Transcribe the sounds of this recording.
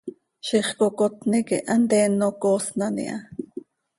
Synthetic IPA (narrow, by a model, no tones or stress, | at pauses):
ʃiχkokot̪nikiʔɑnt̪ɛːnːokoːsnɑnḭʔɑ̰